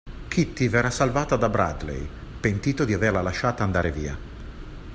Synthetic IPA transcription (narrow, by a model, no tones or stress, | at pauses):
kʰit̪ːivɛːɾasalvaːt̪ad̪abɾa̰d̪lḛj | pent̪iːt̪od̪iaverlalaʃːaːt̪and̪aːɾeviːa̰